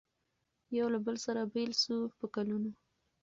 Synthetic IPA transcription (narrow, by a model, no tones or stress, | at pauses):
jawlabəlsaɾabelsupəkaluno